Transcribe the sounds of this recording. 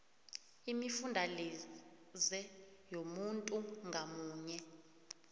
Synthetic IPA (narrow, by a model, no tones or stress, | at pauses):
imifundʱali | zɛjomuntʼuŋɡʱamuːɲɛ